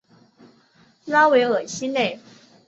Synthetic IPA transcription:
lɑ˥we˧˥ɪə˨˩ɕi˥ne˥˩ɪ

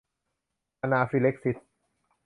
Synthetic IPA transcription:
ʔa˧naː˧fi˧le˦˥k̚si˦˥s

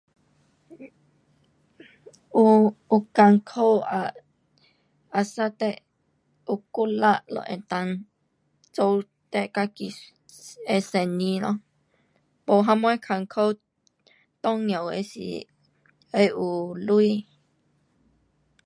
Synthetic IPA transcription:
u˧u˧ka˧ŋkʰo˦a˧˨ | a˨sa˦t̪e˦ʔ | u˧ku˦la˦ʔlõ̰˧ʔḛ̃˧t̪ã˧n | t͡so˧w | t̪e˦ʔka˦˧ki˧ | e˧se˨nĩ˧nɔ̃˦ | po˧˨ɦã˧mwẽ˦kʰa˧ŋkʰo˦w | t̪õ˦ŋjõ˨wḛ˧sḭ˨ | e˧˦ʔu˨lu˦i˦

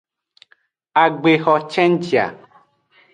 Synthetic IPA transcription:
a˨ɡ͡be˨xɔ˨t͡ʃɛ̃˦n˦d͡ʒi˨a̰˨

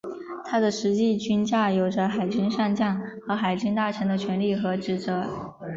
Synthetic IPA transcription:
t̪ʰa˥d̪ə˨ʂɻ̩˧˥t͡ɕi˥˩t͡ɕy˥nt͡ɕja˥˩jo˧˥ʊʈ͡ʂə˧xa˨˩ɪt͡ɕy˥ŋʂa˥˧ŋt͡ɕjɑ˥˩ŋxɤ˧˥xa˨˩ɪt͡ɕy˥ŋt̪a˥˩ʈ͡ʂʰɤ˧˥ŋd̪ə˧t͡ɕʰɥɛ˧˥nli˥˩xɤ˧˥ʈ͡ʂɻ̩˧˩t͡sɤ˧˥

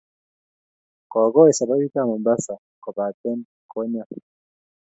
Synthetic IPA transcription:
kɔ˨ɡɔ˦i˨sa˨bɔ˦ɡi˦ka˦˨mɔ˨mba˦sa˨ | kɔ˨ba˨tɛ˦n | kɔ˦ɲa˦

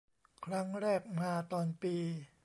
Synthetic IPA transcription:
kʰɾa˦˥ŋɾɛː˥˩k̚maː˧t̪ɔː˧npiː˧

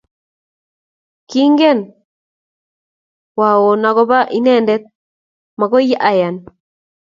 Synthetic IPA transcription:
ki˦ŋɡɛ˦˨n | wa˨wo˨na˨kɔ˦βa˦ʔi˦nɛ˦˨ndɛ˦t̪̚ | ma˨kɔ˦i˦ja˦ʔa˨ja˨n

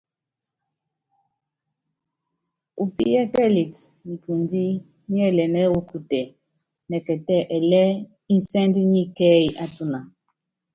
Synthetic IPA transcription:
u˨pḭ˦jɛ˦kɛ˦li˨tni˨ku˨ndi˦ | ɲi˦ɛ˦˨lɛ˨nɛ˦u˦ku˨tɛ˨ | nɛ˨kɛ˨tɛ˦ʔɛ˨lɛ˦ | i˦n˨sɛ˦ndi˦ɲi˦kɛ˦i˨ʔa˦tu˦na˨

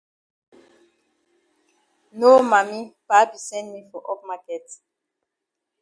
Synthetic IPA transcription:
no˦ma˨mi˦pa˦bi˨sɛ̃˦ndmi˦fɔ˨ʔɔ˦pma˦kɛ˨t

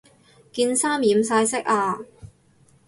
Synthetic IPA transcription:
kiː˧nsaː˥mjiː˨˥msaː˧jsɪ˥k̚aː˧

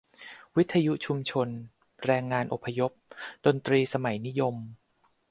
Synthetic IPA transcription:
wi˦˥t̪ʰːa˧ju˦˥ʔt͡ɕʰu˧mt͡ɕʰo˧n | ɾɛː˧ŋːaː˧nʔo˨˩pʰːa˧jo˦˥p̚do˧nt̪ɾiː˧sa˧ma˩˦jni˦˥jo˧m

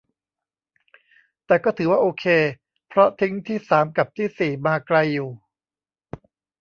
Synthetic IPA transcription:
t̪ɛː˨˩kɔː˥˩t̪ʰɯː˩˦waː˥˩ʔoː˧kʰeː˧ | pʰɾɔ˦˥t̪ʰi˦˥ŋt̪ʰiː˥˩saː˩˦mka˨˩p̚t̪ʰiː˥˩siː˨˩maː˧kla˧jːuː˨˩

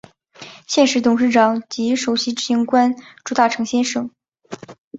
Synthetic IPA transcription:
ɕjɛ˥˩nʂɻ̩˧˥t̪ʊ˨˩ŋʂɻ̩˥˩ʈ͡ʂɑ˨˩ŋt͡ɕi˧˥ʂo˨˩ʊɕi˧˥ʈ͡ʂɻ̩˥ɕi˧˥ŋkwa˥nʈ͡ʂu˧˥t̪a˥˩ʈ͡ʂʰɤ˧˥ŋɕjɛ˥nʂɤ˨˩ŋ

